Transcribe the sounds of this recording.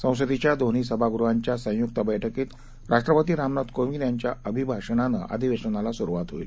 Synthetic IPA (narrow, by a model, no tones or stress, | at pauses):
sə̃w̃səd̪it͡ɕjad̪oniːsəbʱaɡɾuɦaɲt͡ɕjasə̃juk̚t̪abəjʈʰəkiːt̪ | ɾaʂʈɾəpət̪iːɾamnat̪kominjaɲt͡ɕjaəbʱibʱaʂənanə̰ʔa̰d̪ʱiʋeʂənalasuɾuʋat̪ɦoḭl